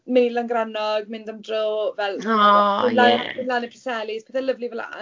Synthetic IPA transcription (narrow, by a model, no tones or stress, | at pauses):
mejlanɡranɔɡmɪndəmdrovɛlˠɪnlanɪnlanɛpʰrəsɛlid̥pʰeːθɛləvlivɛla̰